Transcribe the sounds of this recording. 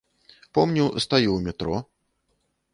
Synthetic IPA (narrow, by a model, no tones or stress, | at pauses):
pɔmnʲust̪ajuwmʲɛt̪ɾɔ